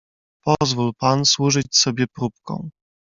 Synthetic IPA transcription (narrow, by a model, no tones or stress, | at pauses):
pɔzvulpanswuʐɘt͡ɕsɔbʲjɛpɾup̚kɔ̰̃w̃